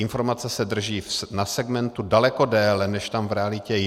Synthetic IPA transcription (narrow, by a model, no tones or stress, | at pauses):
ɪnfo̞ɾmat͡sɛsɛd̪r̩ʒiːfsnasɛɡmɛnt̪udalɛko̞dɛːlɛnɛʃt̪amvɾɛalɪcɛ